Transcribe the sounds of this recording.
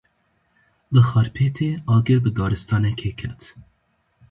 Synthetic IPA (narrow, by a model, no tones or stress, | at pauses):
lɨxɑːɾpʰeːt̪ʰeːɑːɡɨɾbɨd̪ɑːɾɨst̪ɑːnɛkʰeːkʰɛt̪